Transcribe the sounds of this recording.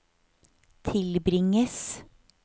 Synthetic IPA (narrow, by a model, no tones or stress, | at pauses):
t̪ʰɪlbɾɪŋəs